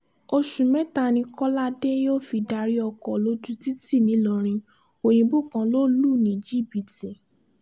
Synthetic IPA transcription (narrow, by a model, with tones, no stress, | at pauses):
o˧ʃũ˨mɛ̃˦ta˧˨nĩ˧kɔ˦la˦de˦jo˦˨fi˧da˧ɾi˦ɔ˧kɔ˨lo˦d͡ʒu˦ti˦ti˦˨nĩ˨˦lɔ˧˨ɾ̃ĩ˧ | o˨j̃ĩ˧bo˦˨kã˧lo˦lu˦˨nĩ˨˦˨d͡ʒi˦˨bi˨˦ti˦˨